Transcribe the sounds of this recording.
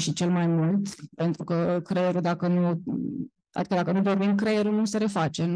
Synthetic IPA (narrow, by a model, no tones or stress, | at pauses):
ʃit͡ʃe̞lmajmult̪pe̞nt̪ɾukəkɾejeɾud̪akənu | a̰ikəd̪akənud̪o̞rmimkɾejeɾunuseɾe̞fat͡ʃe̞n